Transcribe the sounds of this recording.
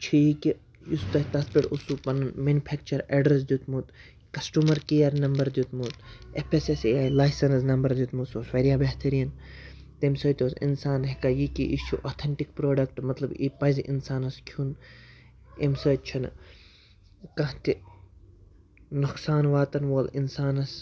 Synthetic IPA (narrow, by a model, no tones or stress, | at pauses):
t͡ʃʰijiki | just̪ɐɦʲt̪ɐspʲiɽusupɐnɐnmenupʰeːk̚t͡ʃɐɾeɖɾes̬d̪jut̪mut̪ | kɐsʈuːmɐɾkijɐɾnɐmbɐɾd̪ʲjut̪muːt̪epʰesesaːjlaːjsɐnsnɐmbɐɾd̪ʲjut̪musosfɐɾijaːbeɦt̪ʰɐɾijɐn | t̪emsɐːt̪ʲoːsḭnsaːnɦikajikiʔit͡ʃʰuʔoːt̪ʰeɳʈikpɾoːɖɐkʈmɐt̪lɐbipɐzʲiʔḭnsaːnɐskʰjun | emsəːt̪̚t͡ʃʰɐn | kɐ̃ɦt̪i | nuksaːnʋaːt̪ɐnʋoːlinsaːnɐs